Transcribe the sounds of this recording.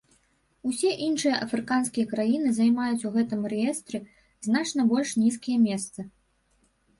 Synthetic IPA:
usʲɛʔinʂɨjɐʔɐfɾɨkanskʲijɐkɾajinɨzajmajut͡sʲuɣɛt̪ɨmrɛjɛst̪ɾʲɛ | znat͡ʂnɐbɔlʲʂnʲiskʲijɐmʲɛst̪sɐ

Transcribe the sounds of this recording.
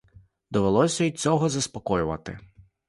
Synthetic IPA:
d̪ɔʋelˠɔsʲɐit͡sʲɔɦɔzɐspɔkɔjʊʋɐ̰t̪ɪ̰

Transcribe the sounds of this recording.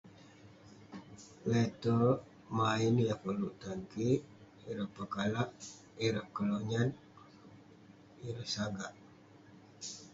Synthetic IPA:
wet̪ə | mainjakəluʔt̪aŋki | iɾəʔpəkalaʔ | iɾəʔkəloɲan | iɾəhsaɡaʔ

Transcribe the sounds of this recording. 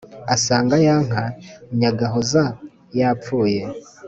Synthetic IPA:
asaːŋɡajaːŋ̥aɲaɡaɦoza | jap̪fuːje

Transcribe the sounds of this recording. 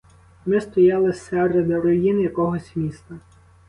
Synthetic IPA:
mɪst̪ɔjɑlˠɪsɛɾɪd̪ɐɾɔjinjɐkɔɦɔsʲmʲist̪ɐ

